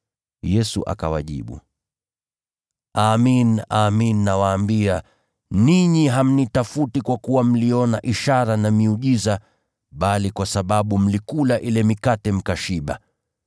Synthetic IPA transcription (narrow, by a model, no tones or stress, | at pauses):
jɛsṵʔa̰ka̰wa̰ʄḭɓṵ | aːminaminːawaːmbia | niɲiɦam̩nitafutikwakuwam̩liɔnaʔiʃaɾanamiuʄiza | ɓalikwasaɓaɓum̩likulaʔilɛmikatɛm̩kaʃiɓa̰